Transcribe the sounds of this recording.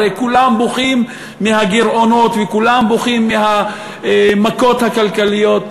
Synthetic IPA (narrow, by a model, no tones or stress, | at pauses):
ejkulamboχimː | ihaɡiɾʔo̞no̞t̪vekulamboχimːiha | mako̞t̪hakalkalijo̞t̪